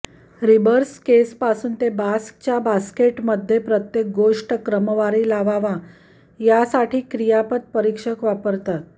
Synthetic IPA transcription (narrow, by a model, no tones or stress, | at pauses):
ɾibəɾskespasuːnt̪ebask̚t͡ɕjabaskeʈməd̪ʱːjepɾət̪jek̚ɡoʂʈkɾəməʋaɾiːlaʋaʋa | jasaʈiːkɾijapət̪̚pəɾikʂəkʋapəɾt̪at̪̚